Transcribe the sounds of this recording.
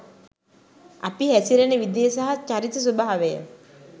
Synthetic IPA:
a̰piɦæsiɾenəʋid̪ijəsaɦat͡ʃaɾit̪əs̬ubaɦaʋejə̰

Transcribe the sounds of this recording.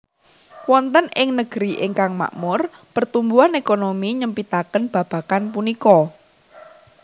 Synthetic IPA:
wɔnt̪ənʔɪŋnəɡ̥əɾiʔɪŋkaŋma̰ʔmʊr | pərt̪umbuanekonomiɲəmpit̪akənb̥a̤b̥a̤kanp̬unikɔ

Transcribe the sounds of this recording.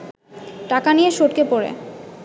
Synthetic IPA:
ʈakanijeʃoʈ̚kepoɾḛ

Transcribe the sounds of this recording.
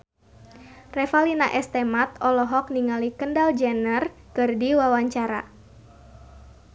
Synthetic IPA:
rɛfalinaʔɛst̪emat̪ɔlɔɦɔk̚niŋalikəndald͡ʒɛnər | kərdiwawaɲt͡ʃaɾa̰

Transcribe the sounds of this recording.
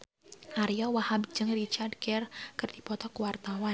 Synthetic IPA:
ʔaɾijawahabd͡ʒəŋrit͡ʃard̚ɡɛrkɨrd̥ipɔt̪ɔkuwart̪awa

